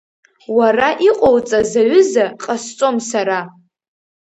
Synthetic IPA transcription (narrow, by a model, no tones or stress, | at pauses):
waraʔiqʼowt͡sʼazaɥʊzaqʼast͡sʷʼo̞msaɾa